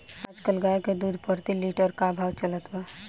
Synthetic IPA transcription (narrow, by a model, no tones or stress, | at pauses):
ad͡ʒkəlɡaeked̪uːd̪ʱpəɾt̪iliʈəɾkabʱaːwt͡ʃələt̪ɦɛ